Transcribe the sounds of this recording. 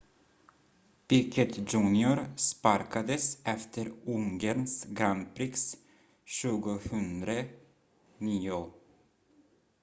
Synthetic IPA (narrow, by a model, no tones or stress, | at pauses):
pɪkʰət̪d͡ʒʉːnɪʊɾspaɾkad̪əsʔɛft̪ʰəɾʊŋɡəɾnsɡɾanpʰɾɪks | ʃʉːɡʊhʉnd̪ɾə | niːʊ